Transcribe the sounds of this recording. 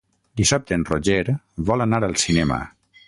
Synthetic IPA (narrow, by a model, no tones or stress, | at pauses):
d̪isap̚t̪enroʒeɾ | βɔlənaɾəlˠsinɛmə̰